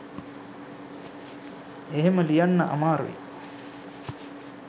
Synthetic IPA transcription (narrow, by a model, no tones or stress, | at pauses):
eɦeməlijanːɐ̰ʔa̰maːɾṵʋḭ